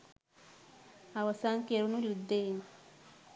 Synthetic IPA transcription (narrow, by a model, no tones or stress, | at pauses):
awasaŋkeɾunolud̪eŋ